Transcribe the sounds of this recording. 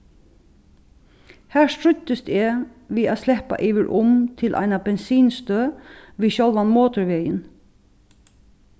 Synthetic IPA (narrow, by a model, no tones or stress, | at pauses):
hæːɹstɹʏt̪ɪst̪ɛːʋiːaːslɛpa̰ʔɪʋɪɹʔʊmt̪ʰɪlʔa̰ɪnabɛnsiːnst̪øːʋiːʃɔlʋanmoːt̪ʊɹʋɛːjɪn